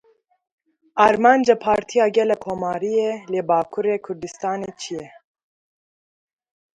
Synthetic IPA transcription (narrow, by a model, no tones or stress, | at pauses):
ʔɑːɾmɑːnd͡ʒapʰɑːɾt̪ʰijɑːɡɛlɛkʰoːmɑːɾijeleːbɑːkʰuɾeːkʰʊɾd̪ɨst̪ɑːneːt͡ʃʰijɛ